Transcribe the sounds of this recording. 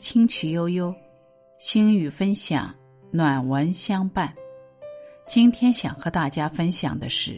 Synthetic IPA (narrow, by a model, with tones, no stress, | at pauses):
t͡ɕʰi˥ŋt͡ɕʰy˨˩jo˥ʊjo˥ʊ | ɕi˥ŋy˨˩fə˥nɕjɑ̰˨˩ŋ | nwa˨˩nwə˧˥nɕjɑ˥ŋpa˥˩n | t͡ɕi˥nt̪ʰjɛ˥nɕjɑ˨˩ŋxɤ˧˥t̪a˥˩t͡ɕja˥fə˥nɕjɑ̰˨˩ŋd̪ə˦ʂɻ̩˥˩